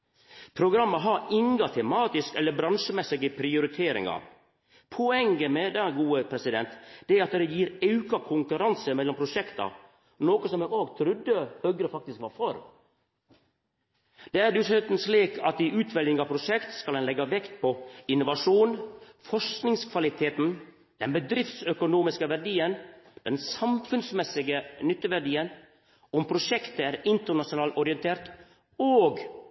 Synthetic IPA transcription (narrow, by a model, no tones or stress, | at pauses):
pʰɾʊɡɾɑmːəɦɑɾɪŋɡɑt̪ʰɛmɑːt̪ɪskɛlːəbɾɑnʂəmɛsɪɡəpʰɾɪʊɾɪt̪ʰeːɾɪ̰ŋɑ̰ | pʰɔɛŋɡəmɛd̪ɛɡuːəpʰɾɛsɪd̪ɛnt̪d̪̥ɛæɾɑt̪d̪ɛjiːɾɑʉkɑkʰʊŋkʉɾɑnsəmɛlːɔmpʰɾʊʂɛkt̪ɑ̰ | noːkɔsɔmɛoːɡt̪ʰɾʉd̪ːəhœɡɾəfɑk̚t̪ɪskʋɑːɾfɔɾ | d̪̥ɛæd̪ʉsœt̪n̩sliːkʰɑt̪ɪʔʉːt̪ʰʋɛlɪŋɑʋpʰɾʊʂɛkt̪skɑlɛnlɛɡːɑʋɛkt̪̚pʰɔɪnːʊʋɑʂuːnfɔʂknɪŋskʰʋɑlɪt̪ʰeːt̪n̩ | d̪̥ɛnbəd̪ɾɪft̪sœkʊnuːmɪskəʋæɖiːənd̪̥ɛnsɑmfʉnsmɛsɪɡənʏt̪ːəʋæɖiːən | ɔmpʰɾʊʂɛkt̪əæːɾɪnt̪əɳɑʂʊnɑːlt̪ɔɾɪɛnt̪ʰeːɾt̪ | oːɡ